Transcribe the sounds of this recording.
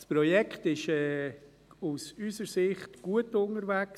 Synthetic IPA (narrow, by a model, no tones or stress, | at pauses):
spɾɔjɛkχtɪʃɛː | usysəɾsɪχtɡ̥uətʊnəɾvɛks